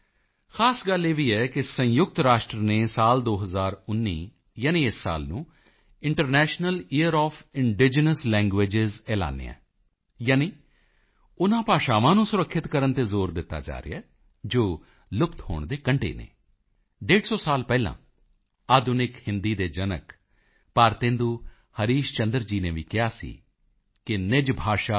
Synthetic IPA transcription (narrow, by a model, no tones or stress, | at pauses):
xʰaːsɡəleːʋiːɛːkɪsə̃jʊɡ̚t̪ɾaːʃʈɾəneːsaːld̪oːɦəzaːɾʊnːiː | jaːnĩːɪsːa̰ːlnũː | ɪɳʈəɾnɛːʃnəlɪːəɾɔːfʰɪɳɖɪd͡ʒənəslɛ̃ːŋɡʋeːd͡ʒɪzɛːla̰ːnḛːɛ̰̃ː | jaːniː | ʊnãːpaːʃaːʋãːnũːsʊɾəkʰːɪt̪kəɾənt̪eːzoːɾd̪ɪt̪ːa̰ːd͡ʒa̰ːɾɪ̰ɛː | d͡ʒoː | lʊpt̪ho̰ːɳd̪eːkəɳʈḛːnḛː | ɖeːɖsɔːsaːlpɛːlã̰ː | aːd̪ʊnɪkhɪnd̪iːd̪eːd͡ʒənək | paːɾt̪ẽːnd̪uː | həɾiːʃt͡ʃənd̪əɾd͡ʒiːnẽːʋiːkɪaːsḭː | kɪnɪd͡ʒbʱaːʃaː